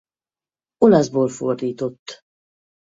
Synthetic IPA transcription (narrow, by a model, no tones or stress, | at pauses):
o̞lɒzboːlfo̰rd̪iːt̪o̞t̪ː